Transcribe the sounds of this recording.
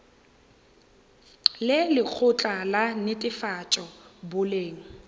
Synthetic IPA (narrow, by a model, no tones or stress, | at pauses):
lɪlɪk͡xʰʊt͡ɬʼalanɪtʼɪfat͡ʃʼɔbʊleːŋ̩